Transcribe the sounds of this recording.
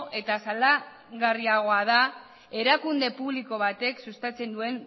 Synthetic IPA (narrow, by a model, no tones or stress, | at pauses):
ʔe̞t̪asala | ɣariaɣ̞o̞að̞a | e̞ɾakund̪e̞puβliko̞βat̪e̞ksust̪at͡se̞nd̪ue̞n